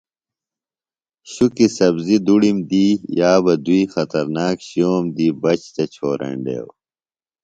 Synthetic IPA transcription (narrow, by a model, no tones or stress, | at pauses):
ɕukisɐbzid̪uɽimd̪iːjaːbɐd̪uixɐt̪ɐɾnaːkɕioːmd̪iːbɐt͡ɕt̪et͡ɕʰoːɾʔḛ̃ɳɖḛːw